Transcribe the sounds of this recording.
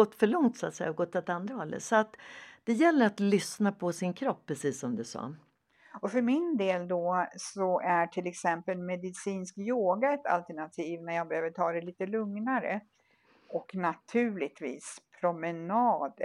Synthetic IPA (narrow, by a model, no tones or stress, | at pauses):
ɔt̪ːfœɭɔŋt̪sʊa̰t̪sɛ̰jːaɔɡɔt̪ːat̪and̪ɾahɔlːə̰sɔat̪d̪̥ɛjɛlːəɾat̪lʏsnapʰɔsɪnkʰɾɔpːɾɛsiːsːɔmd̪ɛsɑ̰ː | ɔfœɾmɪnd̪eːld̪ɔsɔʔæʈʰɪlɛksɛmpəlmɛd̪ɪsiːnsk̚t̪joːɡaɛt̪a̰lt̪æɳat̪ʰiːvnæɾjɑːɡ̚bɛɾhøːvəɾt̪ʰɑːd̪ɛliːt̪əlɵŋnaɾə̰ | ʔɔknat̪ʰʉ̟ːɭɪɡ̚t̪vḭːspʰɾʊmɛnɑːd̪